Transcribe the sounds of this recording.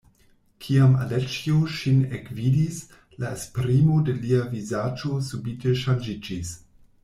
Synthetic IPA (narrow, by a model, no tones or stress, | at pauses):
kʰiama̰let͡ʃioʃinekvidis | laespɾimodeliavizad͡ʒosubiteʃand͡ʒid͡ʒis